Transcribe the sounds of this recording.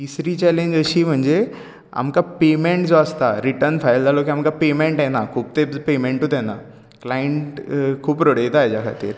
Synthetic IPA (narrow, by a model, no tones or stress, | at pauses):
t̪isɾit͡ɕɛlẽɲd͡ʑəɕiːm̤əɳd͡ze | a̰mkapemẽɳʈd͡zoəst̪a̰ɾiʈəɾnfʰajld̪alokiamkapemẽɳʈɛnakʰuːb̚t̪epemẽɳʈɦut̪ɦɛna | klajeɳʈkʰuːpɾəɽet̪aɦed͡ʑjakʰa̰t̪ḭːɾ